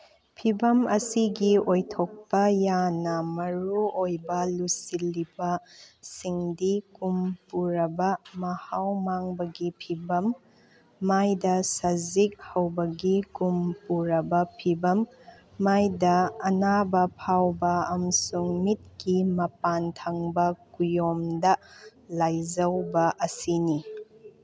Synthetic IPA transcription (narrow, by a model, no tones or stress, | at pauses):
pʰibɐmɐsiɡiojtʰok̚pɐjanɐmɐɾuojbɐlusilːibɐsiŋdikumpuɾɐbɐmɐhawmaŋbɐɡipʰibɐmː | ajdɐsɐzik̚hɐwbɐɡikumpuɾɐbɐpʰibɐmː | ajdɐːnabɐpʰawbɐɐmɐsuŋmit̚kimɐpantʰaŋbɐkujomdɐlajzɐwbɐʔɐsini